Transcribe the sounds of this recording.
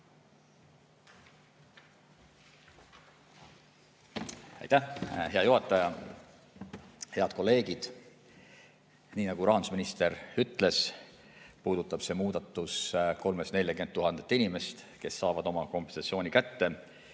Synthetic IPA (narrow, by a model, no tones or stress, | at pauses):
ɑ̰jt̪æhɦe̞ɑjoɦɑt̪ːˑɑjɑ | he̞ɑd̪̥ko̞lːe̞ːɡ̥id̪̥ | niːnɑɡ̥uɾɑːnu̥sminist̪e̞ɾyt̪ːˑle̞s | puːd̪̥ut̪ːˑɑb̥se̞ːmuːd̪̥ɑt̪ːˑusko̞lmesne̞lʲjɑkymeuɦɑnd̪et̪ːˑinʲimest̪ | ke̞sːɑːvɑd̪o̞mɑko̞mpensɑt̪sio̞ːnʲikæt̪ːe̞